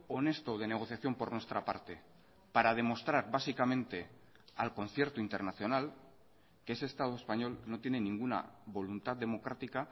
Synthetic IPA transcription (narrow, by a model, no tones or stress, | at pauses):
one̞st̪o̞ð̞e̞ne̞ɣ̞o̞θjaθjo̞mpo̞ɾnwe̞st̪ɾapa̰ɾt̪e̞ | paɾað̞e̞mo̞st̪ɾaɾβasikamẽ̞nt̪e̞ | alko̞nθje̞ɾt̪oint̪e̞ɾnaθjo̞nal | keesest̪að̞oe̞spaɲo̞lno̞t̪je̞ne̞nĩŋɡuna̰βo̞lunt̪aððe̞mo̞kɾat̪ika